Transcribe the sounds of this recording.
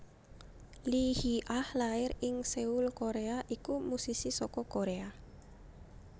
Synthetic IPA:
lihiʔahlaɪɾɪŋseulkoɾeaʔikumusisisɔkɔkoɾea

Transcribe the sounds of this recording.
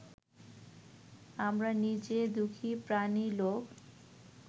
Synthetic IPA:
amɾanid͡ʑed̪ukʰipɾanilok

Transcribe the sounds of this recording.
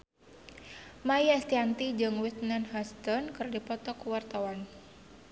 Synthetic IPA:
majast̪iant̪id͡ʒɨŋwit̪̚nanhɔst̪ɔnkɨrdipɔt̪ɔkuwart̪awan

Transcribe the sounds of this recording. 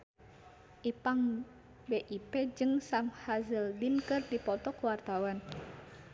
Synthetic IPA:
ʔipaŋ | beʔiped͡ʒɨŋsamhazəldinkɨrdipɔt̪ɔkəwart̪awan

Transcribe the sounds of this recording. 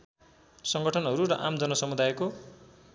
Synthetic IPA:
sʌŋɡʌʈʰʌnɦʌɾuɾʌʔamd͡zʌnʌsʌmud̪ajko

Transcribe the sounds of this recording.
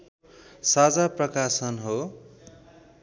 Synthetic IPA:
sad͡zaprʌkasʌnɦo

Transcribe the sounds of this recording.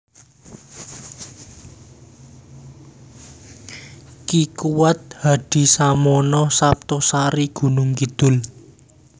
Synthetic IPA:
kikuwat̪̚haɖ̪̥i̤samɔnɔsap̚t̪ɔsaɾiɡ̥ṳnʊŋkid̪̥ʊ̤l

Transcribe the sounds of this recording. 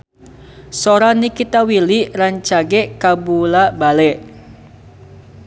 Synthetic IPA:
soɾanikit̪awiliraɲt͡ʃaɡɛʔkabulabalɛʔ

